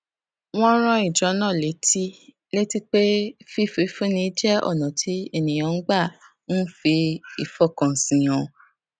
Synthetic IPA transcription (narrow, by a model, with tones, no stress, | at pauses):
w̃ɔ̃˦ɾ̃ã˧˦i˨d͡ʒɔ˨˦nãː˦˨le˨˦tʰi˦ | le˦ti˦k͡pe˦fi˦fe˨˦fũ˦nĩ˧˦d͡ʒɛ˦ɔ̰˦˨nã˨tʰi˨˦e˦˨nĩ˨j̃ã˨˧˦ɡ͡ba˦˨ | ũ˦fi˧i˨fɔ˦˨kã˨sĩ˨j̃ɔ̃˨